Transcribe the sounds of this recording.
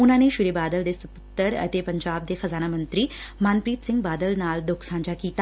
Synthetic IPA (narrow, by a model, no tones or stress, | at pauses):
unaːneʃuɾebaːd̪əld̪esɐpət̪ːəɾɐ̰t̪epɐɲd͡ʑaːb̚d̪exɐzaːnamənt̪ɾiːmaːnpɾiːt̪sɪŋɡ̚baːd̪əlnaːld̪oːksãːɲd͡ʒakiːt̪a